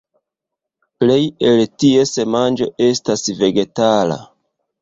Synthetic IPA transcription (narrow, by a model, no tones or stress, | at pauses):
ple̞jeltie̞se̞mand͡ʒo̞e̞stasve̞ɡe̞tala̰